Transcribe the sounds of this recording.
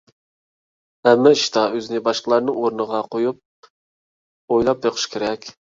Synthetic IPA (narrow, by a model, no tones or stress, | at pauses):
ɛmːɛʃi̥t̪ʰɑøzɪnɪbɑʃqəlˠɑɾnɨŋoɾnəʁɑqʰojup̚ | ojlˠɑp̚jeqʰə̥ʃkʲʰeɾɛkʲ